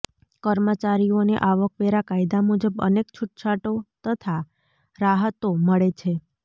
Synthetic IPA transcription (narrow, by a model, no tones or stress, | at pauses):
kəɾmət͡ʃaɾijonḛʔaʋəkʋeɾakajd̪amud͡ʒəbə̰nekt͡ʃʰuʈ̚t͡ʃʰaʈot̪ət̪ʰa | ɾaɦət̪oməɭet͡ʃʰe